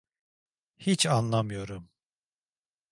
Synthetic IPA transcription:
hit͡ʃʰanlˠamɯjo̞ɾum

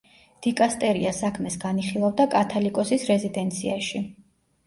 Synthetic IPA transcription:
d̪̥ikʼast̪ʼɛɾiasakʰmɛsɡaniχilˠavd̪akʼat̪ʰalikʼɔsisɾɛzid̪ɛnt̪sʰiaʃi

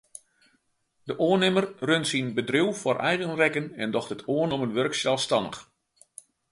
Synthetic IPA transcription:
dəʔoənɪmərrønsinbədriwforʔɛ̰jɣənrɛkənɛndɔxtətoənomənʋørksjɛlˠstɑnə̰x

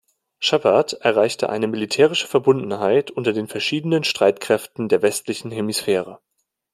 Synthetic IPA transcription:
ʃabatʔɛɐʁ̞aɪçtə̰ʔa̰ɪnəmɪlitʰɛːʁ̞ɪʃə̥fɛɐbʊndn̩ɦaɪtʔʊntɐdeːnfɛɐʃiːdənənʃtʁ̥aɪtkʁ̥ɛftn̩deːɐvɛstlɪçn̩ɦemisfɛːʁ̞ə

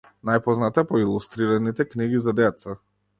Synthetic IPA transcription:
najpɔznat̪ɛpɔilˠust̪ɾiɾanit̪ɛkniɡizad̪ɛt̪sa

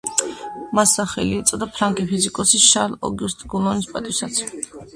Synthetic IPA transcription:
masːaχɛliɛt̪sʼɔd̪apʰɾaŋɡʼipʰizikʼɔsiʃaɾlɔ̰ɡust̪ʼɡulˠɔnispʼat̪ʼisat̪sʰ

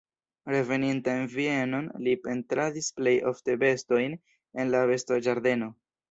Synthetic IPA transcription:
ɾe̞ve̞nintaenvie̞no̞nlipe̞ntɾadisple̞jʔo̞̰fte̞be̞sto̞jn | e̞nlave̞stod͡ʒaɾde̞no̞

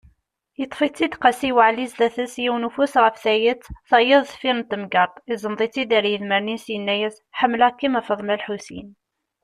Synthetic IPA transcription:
jət̪ˤːfit͡sːid̪qɑsiwəʕlizd̪æθəsjiwnufusʁəfθæjət͡sːθæjəðˤθfiɾnt̪ːəmɡɑt̪ˤizənðˤit͡sːid̪æɾjəðməɾninsjənːæjəz | ħəmːlækːimæfəðˤmælħusḭn

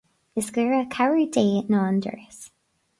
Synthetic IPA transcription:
ɪsɡəːɹəkʰaɹideːnɔːndə̰ɹs

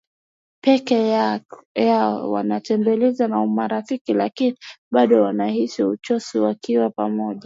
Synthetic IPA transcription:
pɛkɛ | jaɔ̰wa̰natɛmbɛlɛzanaumaɾafikilakiniɓaɗɔwanahisiut͡ʃɔsiwakiwapamɔʄa

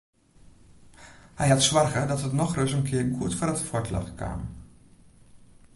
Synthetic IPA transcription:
hɛjɑtsʋɑrɣədɔtɦətnɔxrɵs̬ənkʰɪəɹkutfɔːɾətfɔɹtlɑ̰xkʰa̰ːm

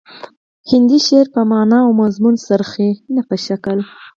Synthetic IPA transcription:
hɪnd̪iʃeɾpəmɑnɑawmazmunsəɾxenapəʃakəl

